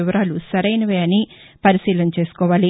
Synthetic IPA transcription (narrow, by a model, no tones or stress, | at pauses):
iʋɐɾaːlusɐɾɐjnɐʋeːɐni | pɐɾisiːlɐmt͡ʃe̞ːsu̥kɔːʋaːli